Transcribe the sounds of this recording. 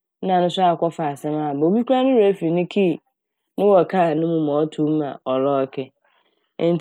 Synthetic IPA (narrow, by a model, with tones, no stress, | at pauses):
nã˨nʊ̃˦sʊ˦a˨kɔ˦fa˨a˨sɛ̃˦ma˦˨bo˨bi˦kʷu˦ã˦nʊ̃˦ɾa˨˦fi˨nʊ̃˦kʰi˦˨ | nʊ̃˦wɔ˨kʰa˦˨nʊ̃˦mũ˦m˨ɔ̃˨˦tʰu˦m˦ã̰˨ɔ˨lɔ˦kʰɛ˦ | n˦t